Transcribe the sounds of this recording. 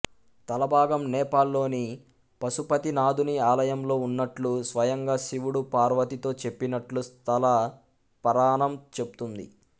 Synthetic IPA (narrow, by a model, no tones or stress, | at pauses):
t̪ɐlɐbʱaːɡɐmnɛːpaːlːo̞ːni | pɐsupɐt̪inaːd̪ʱuniaːlɐjɐmlo̞ːunːɐʈlusʋɐjɐŋɡaːʃiʋuɽupaːɾʋɐt̪it̪o̞ːt͡ʃe̞pːinɐʈlust̪ʰɐlɐ | pɐɾaːɳɐmt͡ʃe̞but̪und̪ḭ